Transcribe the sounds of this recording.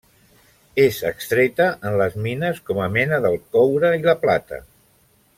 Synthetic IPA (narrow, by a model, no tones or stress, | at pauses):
ezəkst̪ɾet̪əʔənləzminəskɔməmɛnəðəlˠkɔwɾəiləplat̪ə̰